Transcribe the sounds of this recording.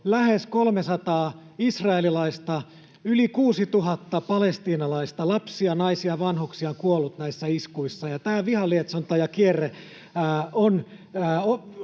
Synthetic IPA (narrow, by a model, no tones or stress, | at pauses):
læheskolmesɑt̪ɑː | isrɑelilɑist̪ɑ | ylikuːsit̪uɦɑt̪ːɑpɑlest̪iːnɑlɑist̪ɑlɑpsiɑnɑisiɑʋɑnhuksiɑŋkuolːˑut̪næisːæiskuisːɑjɑt̪æːʋihɑliet̪sont̪ɑjɑkierːe | æːonː | o